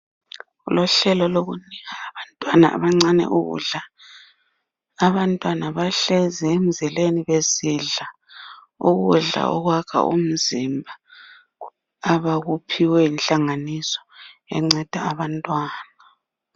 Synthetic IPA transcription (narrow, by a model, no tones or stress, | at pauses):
ulɔɬɛlɔloɣuniɣaːβantʼwana̰ʔa̰βaŋ͡ǀanɛ̰ʔuɣṵɮa | βantʼwanaβaɬɛzɛem̩zɛleniβeziɮa | uɣuɮa̰ɔ̰ɣwakʰa̰ʔṵm̩zimbʱa | βaɣupʰiwɛinɬʼaŋanisɔ̥ɛ̰ŋ͡ǀɛd̥ʱaːβantʼwaːna